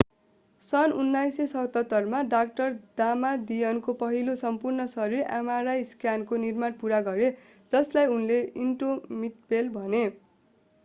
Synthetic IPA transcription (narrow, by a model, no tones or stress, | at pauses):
sʌnunːajsesʌt̪ʌt̪ːʌrmaɖak̚ʈʌrd̪amad̪ijʌnkopʌɦilosʌmpurnʌsʌɾira̰maɾajskjankonirmanpuɾaɡʌɾe | d͡zʌslajunleinʈomiʈ̚belbʱʌne